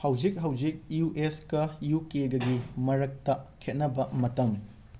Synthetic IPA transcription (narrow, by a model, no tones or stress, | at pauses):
hɐwd͡ʒik̚ɦɐwd͡ʒik̚juʔeskɐjukeɡɐɡimɐɾɐk̚tɐkʰet̚nɐbɐmɐtɐm